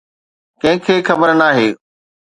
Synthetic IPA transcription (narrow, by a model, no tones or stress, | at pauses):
kɐ̃ɦɪ̃kʰeːxɐbəɾnaːɦeː